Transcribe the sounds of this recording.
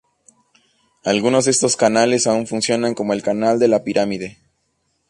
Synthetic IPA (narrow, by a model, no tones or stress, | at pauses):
alɣuno̞zðe̞st̪o̞skanale̞saunfunsjo̞naŋko̞mo̞e̞lkanald̪e̞lapiɾamiðe̞